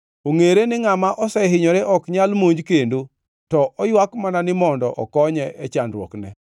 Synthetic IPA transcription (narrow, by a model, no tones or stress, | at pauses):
oŋeɾenɪŋamaʔɔsɛɦɪɲɔɾeʔɔkɲalmoɲd͡ʒkendo | tɔʔɔjwakmananɪmɔndɔʔɔkɔɲɛʔɛt͡ʃandɾwɔ̰knɛ